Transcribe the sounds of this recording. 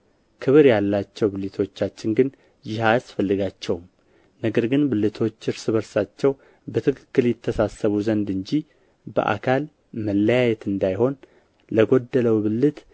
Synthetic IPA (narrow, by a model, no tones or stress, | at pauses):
kʰɨβɨɾjalːat͡ʃːɛwbɨlɨt̪ʰo̞t͡ʃːat͡ʃːɪnɡɨn | jɪɦasfəlːɨɡat͡ʃːɛwm | nəɡəɾɡɨnbɨlːɨt̪ʰo̞t͡ʃːɨɾsɨβəɾsat͡ʃːɛw | bət̪ʰɨkʰɨ̥kːɨljɪt̪ʰːəsasːəβuzənd̪ɨɲd͡ʒi | bə̰ʔa̰kʰal | məlːəjajɛt̪ɨnd̪ajho̞n | ləɡo̞d̪ːələwbɨlːɨt̪